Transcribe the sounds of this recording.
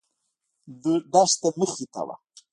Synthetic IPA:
d̪əd̪aʂt̪aməxit̪a̰wa̰

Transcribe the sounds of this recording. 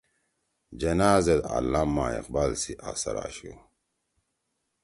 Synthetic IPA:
d͡ʒɐnaːzed̪a̰lːamːa̰ːḛq̚balsiʔasɐ̰ɾa̰ːɕu

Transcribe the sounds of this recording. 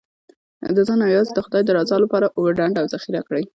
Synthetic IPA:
d̪əzɑnɑwjɑzd̪əxʊd̪ɑjd̪əɾɑzɑlapɑɾaʔwəɖaɳɖawzaxiɾakɽəj

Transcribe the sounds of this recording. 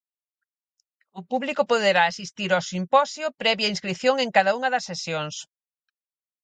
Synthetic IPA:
ʊpuβlikʊpoðeɾaːsist̪iɾosimpɔsjʊpɾɛβjainskɾiθjoŋeŋkaðɐuŋɐðɐsːesjoŋs

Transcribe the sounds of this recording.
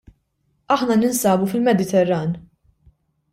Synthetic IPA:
ɐħnɐnɪnsɐːbufɪlmɛd̪ɪt̪ɛrːɐːn

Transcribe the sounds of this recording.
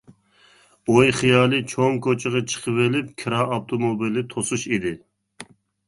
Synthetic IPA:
ojχijɑːlˠɨt͡ʃʰoŋkʰot͡ʃʰɪʁɑt͡ʃʰə̥qʰəvelɪp̚kʲʰiɾɑːpt̪ʰomobilˠɪt̪ʰosuʃid̪ɪ

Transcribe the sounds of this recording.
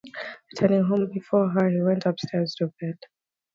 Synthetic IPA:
ɹitʰɜ˞nɪ̃ŋɦõʊ̃mbifɔɦə̃˞nhiwɛ̃ntʰʌpstʰɛɹz̥tʰubɛd̥

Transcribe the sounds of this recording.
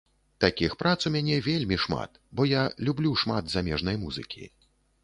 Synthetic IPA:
t̪akʲixpɾat̪suwmʲanʲɛvʲelʲmʲiʂma̰t̪ | bɔjalʲublʲuʂmad̪zamʲɛʐnɐjmuzɨ̰kʲʰḭ

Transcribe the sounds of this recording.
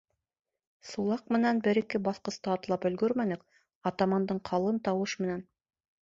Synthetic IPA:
sulˠɑqmɘ̆nænbɘ̆ɾɘ̆kɘbɑθqɤ̆st̪ɑːt̪lˠɑpɵ̆lɡɵɾmænɘk | ɑt̪ɑmɑnd̪ɤɴqʰɑlˠɤnt̪ɑwɤʃmɘ̆næn

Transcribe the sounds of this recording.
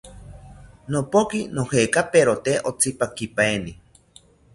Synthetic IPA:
nopokinohekapeɾot̪eʔot͡sipakipaeni

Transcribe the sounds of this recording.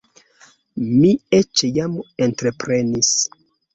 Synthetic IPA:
miet͡ʃjame̞ntɾe̞pɾe̞nis

